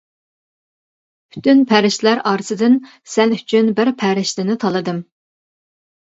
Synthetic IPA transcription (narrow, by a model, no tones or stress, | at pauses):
pʰy̥t̪ʰynpʰæɾɪʃt̪læɾɑːɾɨsɨd̪ɨn | sɛnyt͡ʃʰynbɪɾpʰɛɾɪʃt̪ɪnɪt̪ʰɑlˠɨd̪ɨm